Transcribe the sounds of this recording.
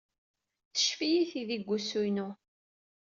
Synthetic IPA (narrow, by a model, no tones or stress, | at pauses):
θə̥ʃfijiθiðiɡʷːusujnu